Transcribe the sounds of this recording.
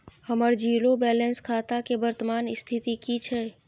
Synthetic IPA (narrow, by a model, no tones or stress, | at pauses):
həməɾd͡ʒiːlobɛːlẽnskʰaːt̪akebəɾt̪əmaːnɪst̪ʰɪt̪ikit͡ʃʰɛː